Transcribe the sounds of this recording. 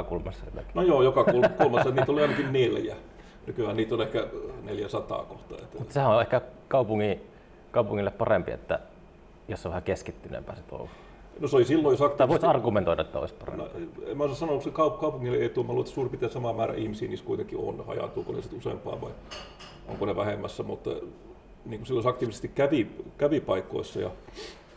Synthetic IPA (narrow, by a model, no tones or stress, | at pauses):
kulmɑsːɑjo̰t̪ːæ̰ki̥nojoːjokɑkulkulmɑsːɑet̪nit̪oliɑˑinɑkinneljæ | nykyhæniːt̪olehkæneljæsɑt̪ɑ̰ːkoht̪ɑ̰ḛt̪ːmusehæʔõʔehkækɑˑupuŋːi | kɑˑupuŋːilːeppɑrempiḛt̪ːæ | josːoʋæhækeskit̪ːynḛmpæ̰ˑːsit̪o̰lːɑ | noseolisilːojosɑkt̪iæʋoˑisɑrɡument̪oidɑʔet̪ːæo̰isʲpɑrḛmno̰ḛmæosɑsɑnouksikɑukɑupuŋːilːeeˑit̪uːmæhluːet̪ːsuːrpit̪ːeæsɑmɑmæːræ̰ʔihmisiːniːskuit̪eŋkːio̰nhɑ̰jɑ̰t̪uːkonḛsit̪usḛˑmpɑ̰ːʋɑi | ʔo̰ŋkoneʋæhemːæsːæmut̪ | niːkusilːojosɑkt̪iʋise̥st̪ikkæʋikæʋipɑikːˑo̰isːɑjɑ̰